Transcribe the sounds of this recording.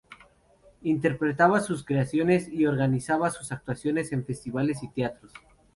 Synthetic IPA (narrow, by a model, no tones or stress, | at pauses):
int̪e̞ɾpɾe̞t̪aβasuskɾeasjo̞ne̞sio̞ɾɣanisaβasusak̚t̪wasjo̞nese̞ɱfe̞st̪iβale̞s̬it̪eat̪ɾos